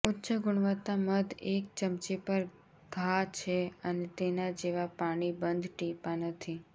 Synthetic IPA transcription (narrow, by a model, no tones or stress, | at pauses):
ʊtːʃəɡʊɽ̃ʋət̪ːaməd̪ek̚t͡ʃəmt͡ʃipəɾ | ɡ̥ʱat͡ʃʰeənet̪enad͡ʒeʋapaɽ̃ibənd̪ʱʈipanət̪ʰi